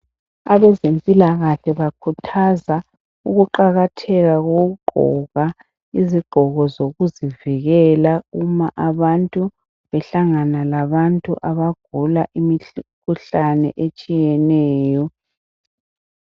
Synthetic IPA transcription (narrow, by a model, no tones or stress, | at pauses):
aβɛzempʼilaɣaɬɛβakʰutʰaza | uɣuǃaɣatʰɛɣaɣoɣuɡ͡ǃʱɔ̰ɣa | iziɡ͡ǃ̥ʱɔɣɔzoɣuziviɣɛlaumaʔaβantʼu | βɛɬaŋanalaβantʼṵʔaβaɡ̥ʱulaʔimikʰuɬanɛ̰ʔet͡ʃʼijɛnɛːjɔ